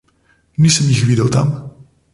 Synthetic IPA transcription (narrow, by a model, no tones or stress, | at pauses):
niːsəmjixʋid̪əwt̪a̰m